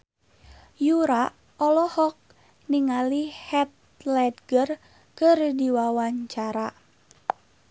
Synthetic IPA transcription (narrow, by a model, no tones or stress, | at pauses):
juɾa | ɔlɔhɔk̚ | niŋalihɛt̪̚ | lɛdɡər | kərdiwawaɲt͡ʃaɾa